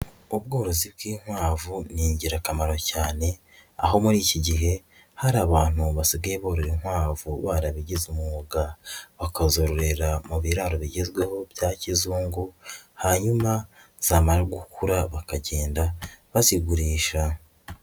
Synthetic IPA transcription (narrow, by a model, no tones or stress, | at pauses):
ubɡo̞ːɾo̞zibɡiːŋ̥hwaːvuniːɲɟiɾakamaɾo̞caːne̞ | a̰ɦo̞muɾiːciɟiɦe̞ | haɾaːβaːn̥huβasiɡeeβoːɾoɾinhwaːvuβaɾaβiɟezumuɡaβakazo̞ɾoɾe̞ɾamuβiɾaɾoβiɟezɡwe̞ho̞bjaːcizuːŋɡuhaɲuma | z̥aːmaɾaɡukʰuɾaβakaɟe̞ːndaβaziɡuɾiːʃa